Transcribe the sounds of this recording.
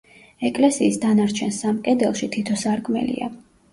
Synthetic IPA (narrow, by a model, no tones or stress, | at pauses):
ɛkʼlɛsiːsd̪anaɾt͡ʃʰɛnsamkʼɛd̪ɛlˠʃit̪ʰit̪ʰɔsaɾkʼmɛ̰lḭa̰